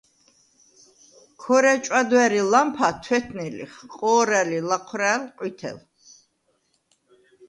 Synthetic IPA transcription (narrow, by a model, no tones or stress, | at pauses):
kʰɔɾɛt͡ʃʼwad̪wɛɾilampʰat̪ʰwɛt̪ʰnilḭχqʼɔːɾɛlilaqʰwɾalqʼwit̪ʰɛ̰l